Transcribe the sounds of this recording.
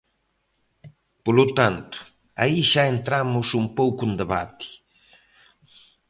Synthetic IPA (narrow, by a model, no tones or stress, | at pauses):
polut̪ant̪ʊ̥ | a̰iʃaent̪ɾamʊsumpowkund̪eβa̰t̪i̥